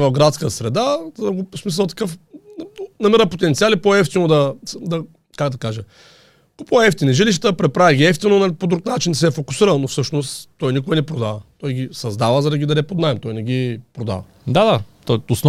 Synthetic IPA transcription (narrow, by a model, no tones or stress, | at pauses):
vɐfɡɾat̪skəsɾɛd̪azɡosmis̬əlˠt̪ɐ̥kɤf | nɐmiɾəpot̪ɛnt̪sialipɔɛft̪inod̪ɐd̪ɐ | kaɡd̪ɐkaʒɛ | ɡ̥opɔɛft̪iniʒiliʃ̬t̪əpɾɛpɾavʲɛɡʲiɛft̪inonɐpod̪ɾuknat͡ʃind̪ɐsɛfokʊsiɾəlˠnofsɤʃnost̪ːɔjnikoɛnɛpɾod̪avət̪ɔjɡʲisɐzd̪avəzɐɾɐɡʲid̪ɐnɛpod̪naɛmt̪ɔjnɛɡʲipɾod̪a̰vɐ | d̪ad̪at̪ɔosn